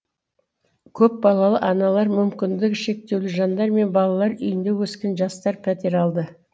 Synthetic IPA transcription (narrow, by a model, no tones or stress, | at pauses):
kʲʰɵp̚bɑlˠɑlˠəʔɑnɑlˠɑɾmʏmkʲɪnd̪ɪkʃe̞k̚t̪e̞wlɪʒɑnd̪ɑɾme̞nbɑlˠɑlˠɑɾʏjɪnd̪e̞wɵskʲe̞nʒɑst̪ɑɾpʰæt̪e̞ɾɑlˠd̪ə